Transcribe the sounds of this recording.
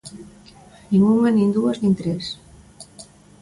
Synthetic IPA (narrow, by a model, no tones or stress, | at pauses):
nĩŋumanĩnd̪uaznĩnt̪ɾes